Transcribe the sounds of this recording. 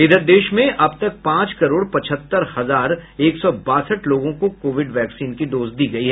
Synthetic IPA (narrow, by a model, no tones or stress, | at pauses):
ɪd̪əɾd̪eːʃmẽʔɐbt̪ɐk̚pãːt͡ʃkɐɾoːɽpɐt͡ʃʰət̪ːəɾhɐzaːɾeːksɔbaːsəʈloːɡõkokoːʋɪɖʋɛːksiːnkid̪oːzd̪iːɡɐiɦɛː